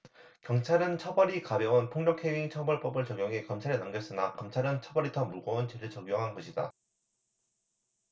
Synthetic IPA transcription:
kjʌŋt͡ɕʰaɾɯnt͡ɕʰʌbʌɾikabjʌwɯnpʰoŋɲʌkʰeɥiŋt͡ɕʰʌbʌɭp͈ʌbɯɭt͡ɕʌɡjoŋɦe̞kʌmt͡ɕʰaɾenamɡjʌs͈ɯnakʌmt͡ɕʰaɾɯnt͡ɕʰʌbʌɾitʰʌmuɭɡʌɯnt͡ɕeɾɯɭt͡ɕʌɡjoŋɦanɡʌɕʰida̰

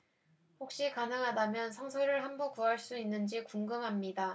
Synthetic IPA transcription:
ɸok̚ɕ͈ikanɯŋɦadamjʌnsʰʌŋsʰʌɾɯɭɦambok͈uɦaɭs͈uinːɯnd͡ʑikuŋɡɯmɦamɲida

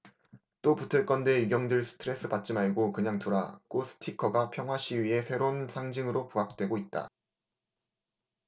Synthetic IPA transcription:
t͈oputʰɯɭk͈ʌnde̞iɡjʌŋdɯɭsʰɯ̥tʰɯɾe̞s͈ɯbat̚t͡ɕ͈imaɭɡokɯɲaŋtoɾa̰k͈osʰɯ̥tʰikʰʌɡapʰjʌŋɦwaɕʰiɥie̞sʰe̞ɾonsʰaŋd͡ʑɯŋɯɾopuɦak̚t͈we̞ɡoit̚t͈a̰

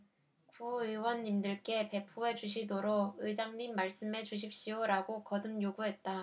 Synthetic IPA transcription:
kuɯwʌnːimdɯɭk͈e̞pe̞pʰoe̞t͡ɕuɕ̬ʰidoɾoɯd͡ʑaŋɲimːaɭs͈ɯme̞t͡ɕuɕ̬ʰip̚ɕ͈ioɾaɡokʌdɯmjoɡuɦe̞t̚t͈a

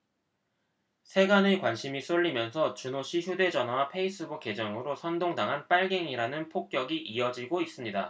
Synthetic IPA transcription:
sʰe̞ɡanɯɭkwanɕʰimis͈oɭʎːimjʌnsʰʌt͡ɕunoɕʰiçjude̞d͡ʑʌnɦwapʰe̞is͈ɯbuke̞d͡ʑʌŋɯɾosʰʌndoŋdaŋɦanp͈aɭɡe̞ŋiɾanɯnpʰok̚k͈jʌɡiʔiʌd͡ʑiɡois͈ɯmɲida̰

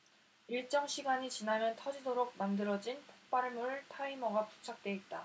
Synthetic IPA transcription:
iɭt͡ɕ͈ʌŋɕʰiɡaɲit͡ɕinanɯntʰʌd͡ʑidoɾok̚mandɯɾʌd͡ʑinpʰok̚p͈aɭmuɭtʰaimʌɡapu̥t͡ɕʰak̚t͈we̞it̚t͈a

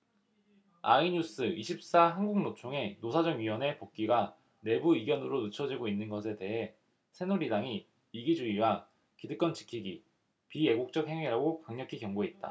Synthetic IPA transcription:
a̰iɲus͈ɯiɕʰip̚s͈aɦanɡuŋnot͡ɕʰoŋe̞nosʰad͡ʑʌŋɥiwʌne̞pok̚k͈iɡa | ne̞buiɡjʌnɯɾonɯt͡ɕʰʌd͡ʑiɡoinːɯnɡʌsʰe̞te̞ɦe̞ | sʰe̞nuɾidaŋi | iɡid͡ʑuiwa | kidɯk͈ʌnt͡ɕi̥kʰiɡḭ | pije̞ɡok̚t͡ɕ͈ʌk̚he̞ŋiɾaɡokaŋɲʌkʰikjʌŋɡoɦet̚t͈a̰

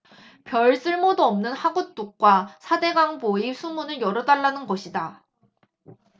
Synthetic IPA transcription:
pjʌɭs͈ɯɭmodoʌmnɯnhaɡut͈uk̚k͈wasʰade̞ɡaŋboisʰumunɯɭjʌɾʌdaɭːanɯnɡʌɕʰida

